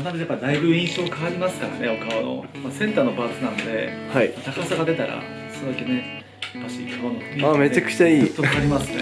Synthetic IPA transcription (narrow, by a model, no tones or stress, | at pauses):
nad̪ejapːad̪aibɯ̟ĩɰ̃ɕo̞ːkaβaɾʲimasɨ̥kaɾa̰ne̞o̞kaβano̞̰ | masẽ̞nt̪aːno̞baːkɨnãnd̪e̞ | haimat̪akasaɡad̪e̞t̪aɾa̰ | sod̪akene | paɕikʰaβanoaːme̞t͡ɕakɯ̟̥t͡ɕaiːt̪okaaɾʲimasɨ̥nḛ